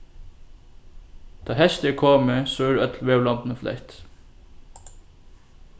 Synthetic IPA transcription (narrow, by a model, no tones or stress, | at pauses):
t̪ʰɑːɦɛʃt̪ɛkʰoːmɪsɔːɛːɾœt̪lʋeːwlɔmt̪nəflɛ̰ht̪